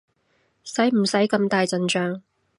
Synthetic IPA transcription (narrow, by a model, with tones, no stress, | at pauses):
sɐ˨˥jm̩˨˩sɐ˨˥jkɐ˧mt̪aː˨jt͡sɐ˨nt͡ʃœː˧ŋ